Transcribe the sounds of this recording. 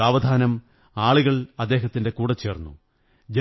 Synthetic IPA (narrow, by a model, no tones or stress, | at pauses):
aːʋɐd̪ʱaːnɐm | aːɭiɣɐɭɐd̪ːeːɦɐt̪ːinde̞kuːɽɐt͡ɕːe̞ːrnːṵ | d͡ʑe